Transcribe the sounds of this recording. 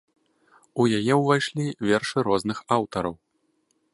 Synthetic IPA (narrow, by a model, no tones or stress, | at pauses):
ujajɛwvajʂlʲivʲɛrʂɨɾɔznɨxawt̪ɐɾɐw